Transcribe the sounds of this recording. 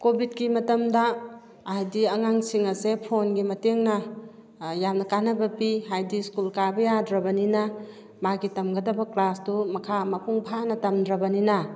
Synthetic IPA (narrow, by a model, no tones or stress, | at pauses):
kobʱit̚kimɐtɐmdɐː | ɦajdiɐŋaŋsiŋɐsepʰonɡimɐteŋnɐ | jamnɐkanɐbɐpiɦajdiskulkabɐjadɾɐbɐninɐ | maɡitɐmɡɐdɐbɐklasdumɐkʰamɐkʰuŋbʰʱanɐtɐmdɾɐbɐninɐ